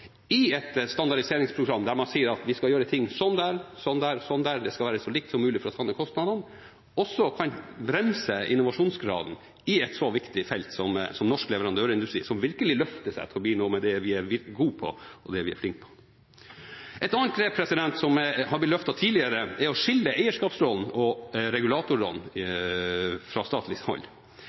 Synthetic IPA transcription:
ɪɛt̪st̪ɑnd̪ɑɖɪseːɾɪŋspʰɾʊɡɾɑmːd̪æɾmɑnsiːəɾɑt̪ʋɪskɑjøːɾət̪ʰɪŋːsɔnːd̪æːɾsɔnd̪æːɾsɔnːd̪æɾd̪ɛskɑlʋæːɾəsɔliːkt̪sɔmːʉːlɪfɔɾɔt̪ʰɑnːəkʰɔst̪nɑd̪ɑn | ɔsːɔkʰɑnbɾɛmsəʔɪ̰nːʊʋɑʂuːnsɡɾɑ̰ːd̪n̩ | ɪɛt̪sɔʋɪkt̪ɪfɛlt̪sɔmsɔmnɔʂklɛʋəɾɑnd̪øːɾɪnd̪ʉst̪ɾiːsɔmʋɪɾkəlɪlœft̪əʂæ̰ɪt̪ʰɪlɔb̪iːnoːmɛd̪ɛʋɪæɾʋɪɾɡuːpʰɔ̰ʔɔd̪ɛʋɪæ̰ɾflɪŋk̚pʰɔ̥ | ʔɛt̪ɑnːənt̪ɡɾeːpʰɾɛsɪd̪ɛnt̪sɔmɦɑblɪt̪lœft̪ɑt̪ʰiːlɪəɾəɛɾɔʂɪlːəʔæɪəʂkɑːpsɾɔln̩ɔɾɛɡʉlɑːt̪ʊɾɾɔ̰ln | fɾɑst̪ɑːt̪lɪshɔ̰lː

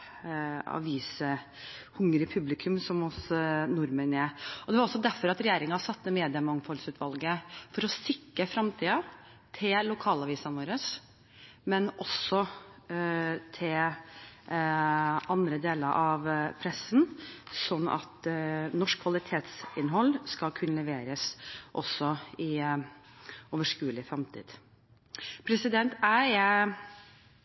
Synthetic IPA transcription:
ɑ̰ʋiːsə | hʊŋːɾɪpʰʉblɪkʰʉmsɔmɔsnʊɾmənɛɔd̪ɛʋɑɾɔsːɔd̪æɾfɔɾɑt̪ɾɛjeːɾɪŋɑsɑt̪ːəmeːd̪ɪəmɑŋːfɔlsʉːt̪ʰʋɑlɡəfɔɾɔsɪkːəfɾɑmt̪ʰiːɑ | t̪ʰɪllʊkʰɑːlɑʋiːsɑnʋoːɾəs | mɛnɔsːɔ | t̪ʰɪl | ʔɑnd̪ɾəd̪eːləɾʔɑʋpʰɾɛsnsɔnːɑ̰t̪nɔʂkʰːʋɑlɪt̪ʰeːt̪sɪnɦɔlːskɑkʰʉnːəlɛʋeːɾəsʔɔsːɔɪ | oːʋəʂkʉːəlɪfɾɑmt̪ʰḭːd̪̥ | pʰɾɛsɪd̪ɛnt̪ʰæ

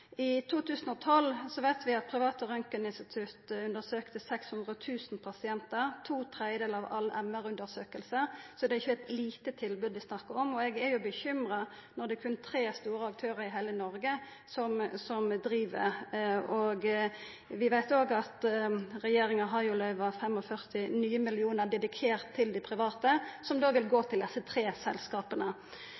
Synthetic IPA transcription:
ɪt̪ʰuːt̪ʰʉːsn̩ɔt̪ʰɔlsɔʋæɪt̪ʋɪɑt̪̚pʰʁɪʋɑːt̪əɾœŋkənɪnst̪ɪt̪ʰʉt̪ʉnd̪əsøːkt̪əsɛkshʉnd̪ʁət̪ʰʉːsnpʰɑsɪɛnt̪əʁt̪ʰuːt̪ʰʁɛd̪jəd̪eːlɑʋʔɑ̰lːʔɛmːæʁʉnd̪əsøːkəlsəsɔd̪ɛɪçːəɛt̪liːt̪ət̪ʰɪlbʉːd̪ʋ̪ɪsnɑkːəʁɔmɔɛɡɛjʊbəçʏmʁɑ | nɔd̪ɛkʰʉnt̪ʰɾeːst̪uːɾəɑk̚t̪ʰøːʁəɾɪɦæɪlənɔɾɡə | sɔmsɔmd̪ɾiːʋə̰ | ɔɡ | ʋɪʋæɪt̪oːɡɑt̪ʁɛjeːɾɪŋəɦɑɪʊlœʏʋɑfɛmɔfœʁt̪ɪnyːəmɪlɪuːnəd̪ɛd̪ɪkʰeːʁt̪ʰːɪld̪ɪpʰɾɪʋɑːt̪əsɔmd̪oːʋɪlɡoːt̪ʰɪld̪ɛsːət̪ʰɾeːsɛ̰lskɑːpənə

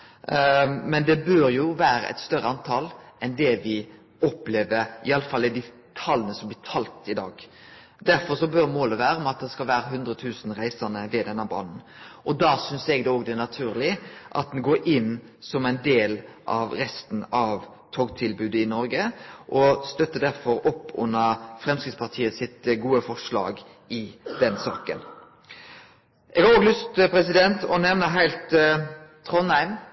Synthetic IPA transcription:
mɛnd̪ɛbøːɾjʊʋæːɾə̰ʔɛ̰t̪st̪œɾəɑnt̪ʰɑlɛnd̪ɛʋɪ | ɔpleːʋəɾɪɑlːəfɑlːɪd̪ɪ | t̪ʰɑlːənəsɔmblɪːt̪ʰɑlt̪ɪd̪ɑ̰ːɡ | d̪æɾfɔɾʂɔbœɾmoːləʋæːɾəmɑt̪̚d̪ɛskɑlʋæːɾəɦʉnd̪ɾət̪ʰʉːsn̩ɾæɪsənəʋɛd̪ɛnːɑbɑ̰ːd̪n̩ | ʔɔd̪ɑsʏnsɛɡd̪ɛoːɡd̪ɛnɑt̪ʰʉːɾlɪʔɑ̰t̪̚d̪ɛnɡoːɾʔɪnː | sɔmæɪnd̪eːlʔɑ̰ʋɾɛst̪n̩ɑʋ | t̪ʰoːɡt̪ʰɪlbʉːd̪əɪnɔɾɡəʔɔst̪œt̪ːəd̪æɾfɔɾɔpːʊ̰nːəfɾɛmskɾɪt̪spɑʁt̪ʰiːəsɪt̪ɡuːəfɔʂlɑ̰ːɡ | ɪd̪̥ɛnsɑ̰ːkə̰n | ʔɛɡhɑɾoːɡlʉst̪pʰɾɛsɪd̪ɛnt̪ɔnɛʋnəɦæɪlt̪ʰː | ɾɔnæɪm

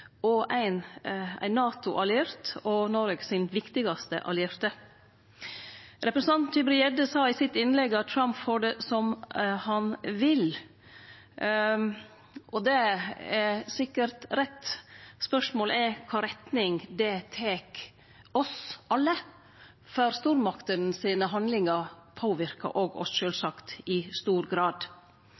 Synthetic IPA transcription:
ɔæɪnæ̰ɪnːɑːt̪ʊʔɑlɪɛɾt̪ɔnɔɾɡsɪnʋɪkt̪ɪɡɑst̪ə̰ʔɑ̰lɪɛɾt̪ə | ɾɛpɾəsn̩ɑnnɪbɾɪɛd̪əsɑːɪsɪt̪ɪnlɛɡɑt̪̚t̪ʰɾɑmpfoːɖɛsɔmhɑnʋɪl | ʔɔd̪ɛɛɾsɪkːəɾt̪ɾɛt̪spœʂmoːlɛkʰɑːɾɛt̪nɪŋd̪ɛt̪ʰeːk | ɔsʔɑlːə | fœɾst̪uːɾmɑkt̪ən̩siːnəɦɑnd̪lɪŋəɾpʰoːʋɪɾkə̰ʔoːɡɔ̰sʃøːlsɑkt̪ɪst̪uːɾɡɾɑːd̪

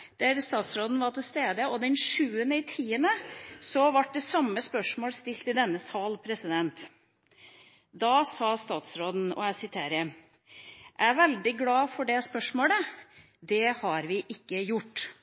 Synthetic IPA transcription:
d̪̥æɾst̪ɑːt̪sɾoːd̪n̩ʋɑʈɪlst̪eːd̪əɔd̪ɛnʂʉːənəɪt̪ʰiːənəsɔʋɑʈ̚ɖ̪ɛsɑmːəspœʂmoːlst̪ɪlt̪ɪd̪ɛnːəsɑːlpʰɾɛsɪd̪ɛnt̪ | d̪ɑsɑːst̪ɑːt̪sɾoːd̪n̩ɔ̰æsɪt̪ʰeːɾə | ʔæʋɛld̪ɪɡlɑːfɔɖɛspœʂmoːlə | d̪ɛhɑɾʋɪʔɪkːəjʊʈː

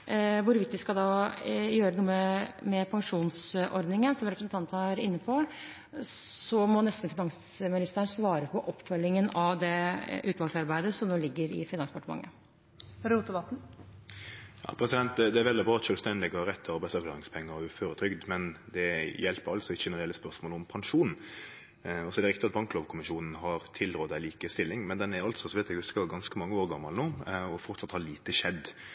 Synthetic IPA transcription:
ʋʊɾʋɪt̪ʋɪskɑd̪ɑjøːɾənuːəmɛpʰɑŋʂuːnsʔɔɾd̪nɪŋənsɔmɾɛpɾəsn̩t̪ɑnt̪əæɾɪnːəpʰɔ | sɔmɔnɛst̪n̩fɪnɑŋsmɪnɪst̪əɳsʋɑːɾəpʰɔʔɔpːfœlːɪŋənɑʋd̪ɛʔʉːt̪lɑlsɑɾbæɪd̪əsɔmnoːlɪɡːəɾɪ̰fɪnɑnspʰɑʈəmɑ̰ŋːə̰ | ɾuːt̪əʋɑt̪n̩ | jɑ̰ːpʰɾɛsɪd̪ɛnt̪̚d̪ɛd̪ɛæɾʋɛld̪ɪbɾɑːɑt̪ʃœːlst̪ɛnd̪ɪɡɔɾɛt̪ʰːəɑɾbæɪsɑɾklɑːɾɪŋspʰɛŋːəɾɔʉføːɾət̪ʰɾʏɡd̪mɛnd̪ɛjɛlpəɾɑlt̪sɔɪçəɛnəɾɪɛlːəspœɾsmoːlɔmpʰɑŋʂuːn̩ | ɔsɔɛɾɛɾɪk̚t̪ɪɑt̪̚bɑŋkloːʋkʰʊmɪʃuːnn̩ɦɑɾt̪ʰɪlɾoːd̪æɪliːkəst̪ɪlːɪŋmɛnd̪ɛnɛɾɑlt̪sɔsɔʋɛːt̪ɛɡhʉskəɡɑnskəmɑŋːəoːɾɡɑmːɑlnuːɔfɔɾt̪sɑt̪hɑɭiːt̪əʂɛd̪ː

